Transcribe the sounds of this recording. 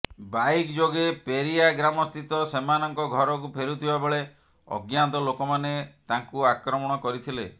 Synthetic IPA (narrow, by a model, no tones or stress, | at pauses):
bajkd͡ʒoɡepeɾiaɡɾamɔst̪it̪ɔsemanɔŋkɔɡʱɔɾɔkupʰeɾut̪ʰibabeɭe | ɔ̰ɡjant̪ɔlokɔmanet̪aŋkuakɾɔmɔɽ̃ɔkɔɾit̪ʰile